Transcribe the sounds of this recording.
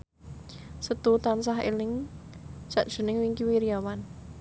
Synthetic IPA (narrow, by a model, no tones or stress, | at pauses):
sət̪ut̪ansaɦḛlɪŋ̥ | t͡ʃaʔd̥ʒ̥ṳnɪŋwiŋkiwiɾiawan